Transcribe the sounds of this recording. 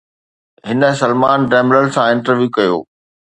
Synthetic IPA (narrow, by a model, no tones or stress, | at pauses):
ɦɪnə̆sɐlmaːnɖɛːmləlsãɪ̃ɳʈəɾʋjuːkɐjo̰ː